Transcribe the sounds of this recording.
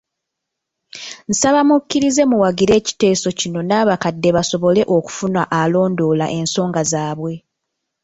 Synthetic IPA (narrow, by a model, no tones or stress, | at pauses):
n̩saβamucːiɾize̞muwaɡiɾe̞ːci̥te̞ːso̞cino̞naːβakadːe̞βaso̞βo̞le̞ʔo̞ku̥funaʔalo̞ːndo̞ːla̰ʔe̞nso̞ːŋɡazaːβwe̞